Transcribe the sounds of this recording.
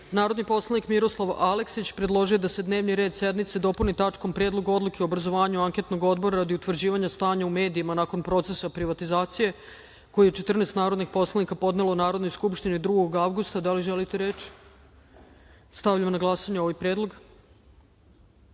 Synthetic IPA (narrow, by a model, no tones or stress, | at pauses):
naːɾod̪nipo̞slˠanikmiɾo̞slˠaʋaleksit͡ɕpɾed̪lˠo̞ʒijo̞d̪ase̞d̪ne̞ːʋniɾe̞ːd̪sed̪nit̪sed̪o̞punit̪at͡ʂko̞mpɾeːd̪lˠo̞ɡo̞d̪lukeoːbɾazo̞ʋaːɲuaŋkʲe̞t̪no̞ɡo̞d̪bo̞ɾaɾad̪iut̪ʋr̩d͡ʑiːʋaɲast̪aːɲaume̞ːd̪iimanako̞npɾo̞t̪se̞sapɾiʋat̪izaːt̪sije̞ | ko̞jijet͡ʃet̪r̩nest̪naːɾod̪niɡpo̞slˠanikapo̞d̪ne̞lonaːɾo̞d̪nojskupʃt̪inid̪ɾuɡoɡaʋɡust̪ad̪aliʒelit̪eɾet͡ɕ | st̪aʋʎamonaɡlˠasaɲeo̞ʋajpɾe̞ːd̪lˠo̞ɡ